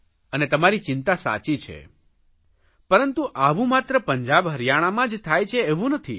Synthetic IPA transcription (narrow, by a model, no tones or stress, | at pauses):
ənet̪əmaɾit͡ʃɪnt̪asa̰t͡ʃit͡ʃʰḛ | pəɾənt̪uʔaʋũmat̪ɾəpəɲd͡ʒabɦəɾjaɽ̃amãd͡ʒt̪ʰajt͡ʃʰeeʋũnət̪ʰḭ